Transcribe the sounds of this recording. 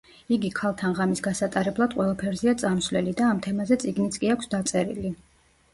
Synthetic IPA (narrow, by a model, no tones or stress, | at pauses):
iɡikʰalˠt̪ʰanʁamisɡasat̪ʼaɾɛblˠad̪qʼwɛlˠapʰɛɾzɛat̪sʼamsvlɛlid̪aːmt̪ʰɛmazɛt̪sʼiɡnit̪sʼkʼiakʷʰsd̪at̪sʼɛɾḭli